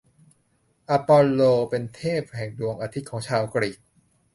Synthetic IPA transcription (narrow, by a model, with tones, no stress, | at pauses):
ʔa˧pɔː˧loː˧pe˧nt̪ʰeː˥˩p̚hɛ˨˩ŋdu˧əŋʔaː˧t̪ʰi˦˥kʰɔː˩˦ŋt͡ɕʰaː˧wkɾiː˨˩k̚